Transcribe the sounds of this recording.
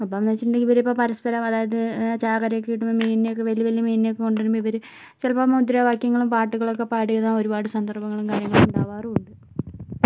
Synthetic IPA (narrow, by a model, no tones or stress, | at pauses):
ɐpːoːɐmnɐːt͡ɕːiʈːɳɖeiʋɐɾipːoːpɐɾɐspɐɾɐmɐðaːjɐðɨt͡ɕaːɣɐɾɐjkːejiʈːumɐmeːninejokːeʋɐljɐʋɐlijɐmeːnineokːekoɳɖeɾumbʋiʋɐɾu | t͡ɕlɐpamud̪ɾɐʋaːkjɐŋːɐɭumpaːʈːuɣɐɭokːe̞paːɽijɐnːɐo̞ɾubaːɽɨsɐnd̪ʱɐrbɐŋːɐɭumkaːɾjɐŋːɐɭumuɳɖaːʋaːruɳɖɨ